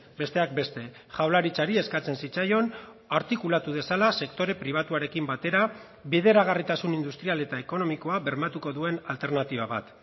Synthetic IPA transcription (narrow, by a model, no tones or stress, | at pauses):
be̞st̪e̞ak̚be̞st̪e̞ | ʝawlaɾit͡saɾie̞skat͡se̞nsit͡sajo̞n | aɾt̪ikulat̪uð̞e̞salase̞kt̪o̞ɾe̞pɾiβ̞at̪uaɾe̞kimbat̪e̞ɾa | βeðe̞ɾaɣ̞arit̪asunind̪ust̪ɾiale̞t̪aeko̞no̞miko̞aβe̞ɾmat̪uko̞ðue̞nalt̪e̞ɾnat̪iβaβat̪